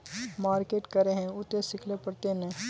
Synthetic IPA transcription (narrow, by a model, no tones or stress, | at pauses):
maːɾkeːʈkɐɾeɦɛ̃ʊt̪esɪkʰlepɐɽt̪enẽ